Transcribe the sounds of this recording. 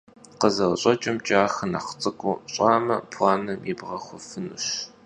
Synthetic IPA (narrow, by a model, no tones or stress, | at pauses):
qəzɐwɕʼt͡ʃʼɪmt͡ʃʼaːxɐna̰ːχt͡sʼɨkʷʼʊːɕʼaːmɐpʰwaːnɐmibʁɐχʷʊfɨnṵːɕ